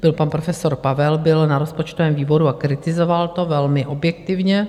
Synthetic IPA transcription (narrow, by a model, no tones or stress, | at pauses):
b̥ɪlpanpɾofɛso̞ɾpavɛlbɪlnaɾo̞spot͡ʃt̪ovɛːmviːbo̞ɾuakɾɪt̪ɪzo̞valt̪o̞vɛlmɪʔobjɛkt̪ɪvɲɛ